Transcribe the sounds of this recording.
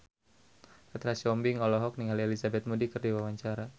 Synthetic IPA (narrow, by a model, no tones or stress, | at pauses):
ɛt̪ɾasɔmbiŋɔlɔɦɔk̚niŋalelisabɛt̪̚mudikɨrdiwawaɲt͡ʃaɾa